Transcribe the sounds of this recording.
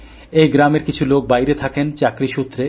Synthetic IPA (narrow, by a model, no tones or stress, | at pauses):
ejɡɾameɾkit͡ɕʰulok̚bajɾet̪ʰakent͡ɕakɾiʃut̪ːɾe